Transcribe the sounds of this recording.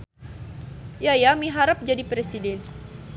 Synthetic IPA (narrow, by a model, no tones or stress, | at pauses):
jajamiɦaɾəp̚d͡ʒadipɾesidɛn